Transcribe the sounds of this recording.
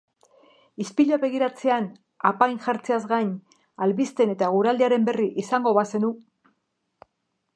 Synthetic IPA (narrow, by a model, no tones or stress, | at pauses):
ispiʎoaβe̞ɣ̞iɾat͡se̞an | apajnʝaɾt͡seazɣaɲ | alβist̪e̞ne̞t̪aɣ̞uɾald̪eaɾe̞mbe̞riʔisaŋɡo̞βase̞nu